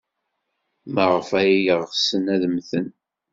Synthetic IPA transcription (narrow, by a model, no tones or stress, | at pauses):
məʁəfæjijəʁsənæðəmθən